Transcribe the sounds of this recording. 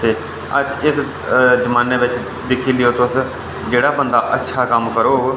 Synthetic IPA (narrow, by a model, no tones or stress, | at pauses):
t̪eː | əd͡ʒɪs | d͡ʒəmaːnːeːʋɪt͡ʃ | d̪ɪkʰiːlɪjoːt̪ʊs | d͡ʒeːɽaːbənd̪aːʔətːʃʰaːkəmkəɾoː